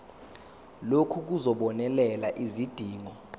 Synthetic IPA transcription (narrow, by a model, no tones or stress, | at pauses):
lokʰuk̬uzɔɓɔnɛlɛlaʔizid̥ʱiːŋɔ